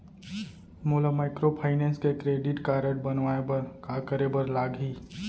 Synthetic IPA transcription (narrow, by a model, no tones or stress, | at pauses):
molamaːɪkɾopʰaːɪnẽskekɾeːɖɪʈkaːɾəʈbənʋaebkakəɾebəɾlaːɡɦiː